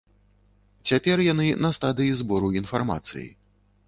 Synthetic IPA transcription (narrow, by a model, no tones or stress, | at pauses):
t͡sʲapʲɛrjanɨnɐst̪ad̪ɨjizbɔɾuinfarma̰t̪sɨ̰jḭ